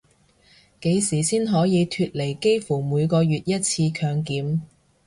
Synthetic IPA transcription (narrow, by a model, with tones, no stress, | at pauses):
ke˨˧jsiː˨˩siː˥nɦɔː˨˥jiː˨˧t̪ʰyː˧t̚le˨˩jke˥jfuː˨˩muː˨˧jkɔː˧jɥyː˨t̚jɐ˥t̚t͡sʰiː˧kʰœː˨˧ŋkiː˨˥m